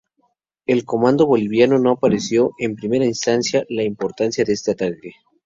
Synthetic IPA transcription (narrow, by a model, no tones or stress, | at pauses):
e̞lko̞mãnd̪o̞βo̞liβjano̞no̞apaɾesjo̞ʔe̞mpɾime̞ɾainst̪ansjalaimpo̞ɾt̪ansjaðeest̪e̞at̪ake